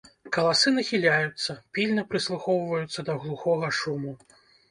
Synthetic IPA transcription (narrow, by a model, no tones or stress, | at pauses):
kɐlˠasɨnɐxʲilʲajut̪sːɐpʲilʲnɐpɾɨslˠuxɔwvɐjut̪sːɐd̪ɐɣlˠuxɔɣɐʂumu